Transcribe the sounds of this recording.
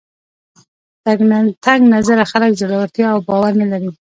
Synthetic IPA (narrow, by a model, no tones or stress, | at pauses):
t̪aɡnat̪aŋɡnazaɾaxalakd͡ʒaɽawaɾt̪jɑːwbɑwaɾnalaɾi